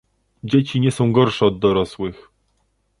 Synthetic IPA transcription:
d͡ʑet͡ɕiɲɛsɔ̃w̃ɡɔɾʂɛɔd̪ːɔɾɔswɘx

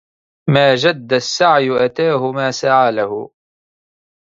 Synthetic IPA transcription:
maːd͡ʒad̪ːasːaʕjʊʔat̪aːɦʊmaːsaʕaːlahʊ̰

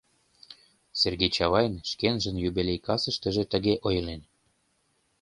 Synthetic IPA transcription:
serɡejt͡ɕɑβɑjnʃkenʒə̆njyβelʲejkɑsə̆ʃt̪ə̆ʒĕt̪ə̆ɣeʔojlen

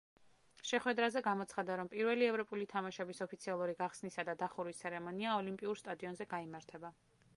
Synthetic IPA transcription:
ʃɛχwɛd̪ɾazɛɡamɔt̪sʰχad̪aɾɔmpʼiɾvɛliɛvɾɔpʼulit̪ʰamaʃɛbisɔpʰit̪sʰialˠuɾiɡaχsnisad̪ad̪aχuɾist̪sʰɛɾɛmɔniaɔlimpʼiuɾst̪ʼad̪iɔnzɛɡaimaɾt̪ʰɛba

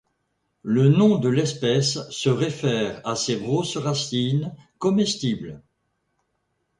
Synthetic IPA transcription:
lənɔ̃d̪əlɛspɛsːəʁefɛːʁasebʁosʁasinkɔmɛst̪ibl

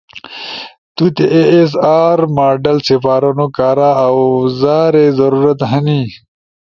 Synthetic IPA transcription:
t̪ut̪eʔees̬aːɾmaːɖɐlsefaːɾɐnokaːɾaːawzaːɾezɐɾuɾɐt̪ɦɐni

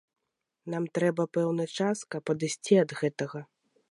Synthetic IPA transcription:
namt̪ɾɛbɐpɛwnɐt͡ʂaskɐpːɐd̪ɨsʲt͡sʲiɐd̪ɣɛt̪ɐɣɐ

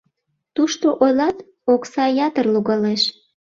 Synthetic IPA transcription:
t̪uʃt̪oʔojlɑt̪ | oksɑjɑt̪ərluɣɑleʃ

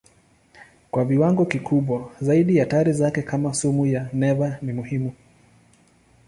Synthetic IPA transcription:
kwaviwaŋɡɔkikʰuɓwazaiɗijataɾizakɛkʰamasumujanɛvanimuhimu

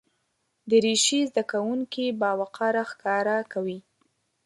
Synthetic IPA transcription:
d̪əɾeʃizd̪akawuŋkibɑwaqɑɾaxkɑɾakawi

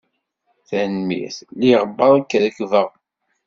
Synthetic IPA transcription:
θænmḭθliʁəbːəðˤakːæðəkvəʁ

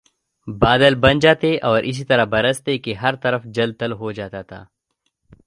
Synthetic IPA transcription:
baːd̪əlbɐ̃nd͡ʒaːt̪eʔɔːɾʔɪs̬it̪ɐɾabɐɾəst̪ekeɦɐɾt̪ɐɾəfd͡ʒɐlt̪ɐlɦod͡ʒaːt̪aːt̪ʰa̰ː

